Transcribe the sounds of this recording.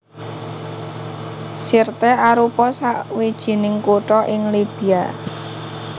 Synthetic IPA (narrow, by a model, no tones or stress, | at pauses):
sirt̪ɛaɾupɔsaʔwid̥ʒ̥i̤nɪŋkuʈɔʔɪŋlib̥i̤a